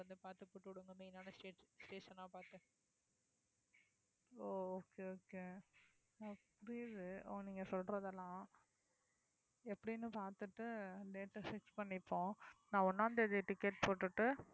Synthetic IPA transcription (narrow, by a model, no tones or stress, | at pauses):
ɐnd̪ɯpaːɾt̪ɯpoːʈːɯɽɯŋɡɐmeːnaːnɐsʈeːʈsʈeːʂɐnːãːpaːɾt̪ɯ | oːoːkeoːke | ɐpːɐɽɪðɯoniːŋɡɐsɔlɾɐðɛlːãː | ɛpːɐɽinːɯpaːɾt̪ɯʈːɯleːʈːɐsɪkspɐɳːɪpːõːnãːɔnːaːnd̪ɐɪðeʈːɪkːeʈ̚poːʈːɯʈːɯ